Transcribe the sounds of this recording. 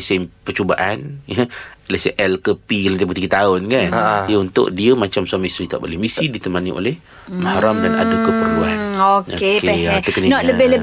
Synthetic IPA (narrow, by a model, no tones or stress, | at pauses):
sempət͡ʃobaʔanjəleseʔɛlkəpilənt̪ipət̪iɡət̪aʊnkanʔdiəunt̪ʊ̰ʔdiəmat͡ʃamsuamast̪ɾit̪a̰ʔbolɛhmisidit̪əmaniʔo̰lɛh | mahaɾamdana̰dəkəpəɾuanokoeepɛat̪əkənənɔt̪̚ləbɪhləb